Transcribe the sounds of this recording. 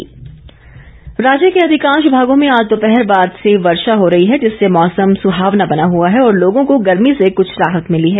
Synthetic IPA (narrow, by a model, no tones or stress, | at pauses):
ɾaːd͡ʒjəkeɐd̪ʱɪkãːnʃʊbʱaːɡõmẽaːd͡ʒt̪opɛɦɛɾbaːd̪seʋɐɾʃaɦoɾɐɦiɦɛd͡ʒɪsːemɔːsəmsʊɦaːʋnabɐnaɦuaɦɛɔːɾloːɡõkoɡɐɾmisekʊt͡ʃʰɾaːɦət̪mɪliɦɛː